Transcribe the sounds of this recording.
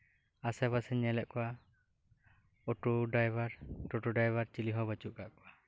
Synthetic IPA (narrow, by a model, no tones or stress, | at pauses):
asɛbasɛɲɛlɛʔkɔwa | ɔʈuɖajbaɾʈuʈuɖajbaɾt͡ʃiliɦɔbət͡ʃuʔ̚kaʔkɔwa